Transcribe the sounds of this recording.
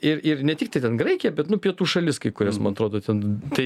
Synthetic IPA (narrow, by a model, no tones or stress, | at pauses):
ɪɾɪɾnʲɛt̪ʲɪkt̪ɐɪt̪ʲɛnɡɾɐɪkʲɪjɛbʲɛt̪nʊpʲiɛt̪uːʃɐlʲɪskɐɪkʊɾʲɛsmɐ̰nɐt̪ɾoːd̪oːt̪ʲɛnt̪ɐɪ